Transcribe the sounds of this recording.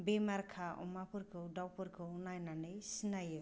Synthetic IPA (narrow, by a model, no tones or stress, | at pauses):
bemarkʰaɔ̰mapuɾkoɖawpuɾkoːnajnanɯjsinajɯ